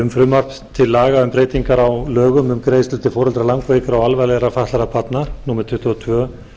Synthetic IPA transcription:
ʏmfɾʏmːar̥p | t̪ʰɪlːaːɣaʏmpɾeːjt̪iŋkaɾawlœːɣʏmʏmkɾejst̪ʏlt̪ɪfɔːɾɔlt̪ɾalaŋkveːjkʏɾawalvalɛɾafaht̪aɾapʰat̪naɾ̥nuːmɛɾt̪ʰʏht̪ʏɔt̪ʰvœː

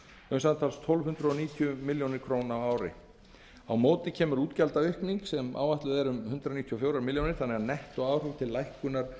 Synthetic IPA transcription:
ʏmsant̪ʰalst̪ʰɔlvhʏnt̪ɾʏɔniːt̪ʰjʏmɪljownɪɾkʰɾownawaːwɾɪ̰ | awmoːwt̪ɪcʰɛːmʏɾuːt̪calt̪aʏhkniŋksɛma̰ːwvaht̪lʏðɛɾʏmhʏnt̪ɾaniːt̪ʰijɔfjowɾamɪljownɪɾ̥θanɛɣanɛht̪ɔɣaːwr̥ʏvt̪ʰɪllːajhkʏnaɾ̥

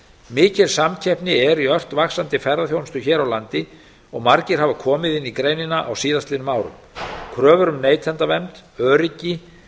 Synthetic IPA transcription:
mɪːcɪɾ̥samcʰɛhpnɪɛɾjœr̥t̪vaxsant̪ɪfɛɾðaθjownst̪ʏçɛːɾawlant̪ɪ | ɔɣmaɾcɪɾ̥ɦhaːvakʰɔːmɪðɪnːikɾejnɪnaʔa̰wsiːðast̪lɪnʏmaːwɾʏ̰m | kʰɾœːvʏɾʏmneːjt̪ʰɛnt̪avɛmt̪œːɾɪcɪ

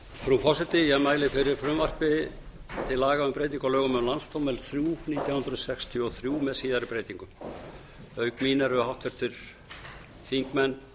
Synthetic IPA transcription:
fɾufɔsɪt̪ɪjɛmaːjlɪfɪɾɪɾ̥fɾʏmvar̥pɪ | t̪ʰɪlːaːɣaʏmpɾejt̪̬iŋkalœːɣʏmʏmlanst̪owmɛlθɾjuːniːt̪jawhʏnɾʏðsɛkst̪ʰjʏɔθɾjuːmɛðsiːðaɾɪpɾeːjt̪iŋkʏm | œːɥkmiːnaɾʏhawht̪vɛɾ̥t̪fɪɾ̥ | θiŋkmɛnː

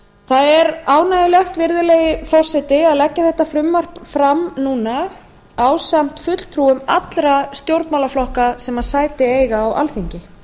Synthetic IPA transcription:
θaðɛɾaːwnaːjɪlɛxt̪vɪɾðʏleːjɪfɔr̥sɛt̪ɪaðlɛcːaθɛht̪afɾʏmːar̥pfɾamnuːna | awsam̥t̪fʏt̪l̥t̪ʰɾuːʏmat̪lɾast̪jowɾt̪nmawlaflɔhkasɛmaðsaːjt̪ɪeːjɣaːwʔa̰lθiɲcɪ

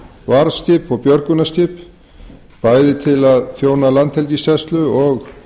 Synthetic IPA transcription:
vaːɾsc̪ɪpɔɣpjœɾkʏnasc̪ɪp | paːjðɪt̪ʰɪlaðθjoːwnalant̪hɛlt̪isɛst̪lʏɔx

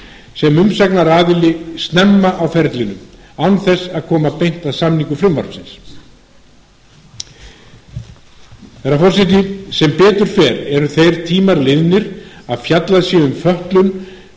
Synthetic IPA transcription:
sɛmʏmsɛknaɾaːðɪlɪst̪nɛmːaʔawfɛɾt̪lɪnʏm | awnθɛsːaðkʰɔːmapejn̥t̪aðsamniŋkʏfɾɪmva̰ɾsɪns | θɛɾafɔr̥sɛt̪ɪsɛmpɛːt̪ʏɾ̥fɛːɾɛɾʏθejɾ̥t̪ʰiːmaɾlɪðnɪɾaðfjat̪laðɪsjɛʏmfœht̪lʏn

